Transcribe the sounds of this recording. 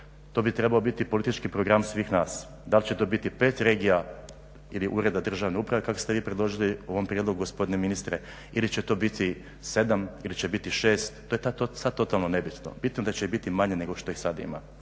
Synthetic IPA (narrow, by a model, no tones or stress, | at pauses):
t̪o̞bit̪ɾe̞baobit̪ipo̞lit̪it͡ʃkipɾo̞ɡɾamsʋiːxnaːs | d̪alit͡ɕet̪o̞ːbit̪ipe̞ːt̪ɾe̞ːɡija | iliʔuːɾe̞d̪ad̪r̩ʒaʋne̞upɾaʋe̞kakost̪e̞ʋiːpɾed̪lˠo̞ʒilio̞ʋo̞mpɾje̞d̪lo̞ɡuɡospo̞d̪ineminist̪ɾe | ilit͡ɕet̪o̞ːbit̪i | se̞d̪amilit͡ɕebit̪iʃe̞ːst̪t̪ːojet̪aosad̪̚t̪o̞t̪alˠno̞ne̞bit̪no̰bit̪nod̪at͡ɕeibit̪imaɲene̞ɡo̞ʃt̪o̞ixsad̪ḭma̰